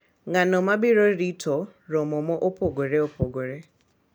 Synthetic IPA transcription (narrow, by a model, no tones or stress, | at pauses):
ŋanɔmabiɾoɾitʰoɾomɔmɔʔopʰoɡoɾeopoɡoɾe